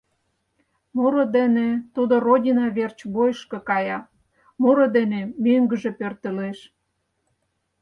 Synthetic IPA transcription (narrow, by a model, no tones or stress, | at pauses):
moɾod̪enet̪ud̪orodʲinɑβert͡ɕbojʃkekɑjɑ | moɾod̪enemøŋɡəʒe̽pørt̪ə̆leʃ